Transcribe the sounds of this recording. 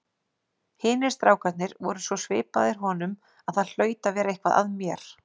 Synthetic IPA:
hɪːnɪɾ̥st̪ɾaːwkat̪nɪɾvɔɾʏsvɔsvɪ̰ːpaðɪɾ̥ɦɔnʏm | aðθaðl̥œːɥt̪avɛːɾaehkvaðʔa̰ðmjɛɾ̥

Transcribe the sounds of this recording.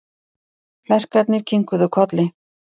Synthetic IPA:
flɛr̥kat̪nɪɾ̥cʰiŋkʏðʏkʰɔt̪lɪ

